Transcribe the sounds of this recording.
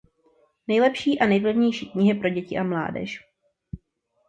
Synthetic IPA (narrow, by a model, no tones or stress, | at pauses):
nɛjlɛpʃiːʔanɛjvlɛvɲɛjʃiːkɲɪɦɪpɾo̞ɟɛcɪʔamla̰ːdɛ̰ʃ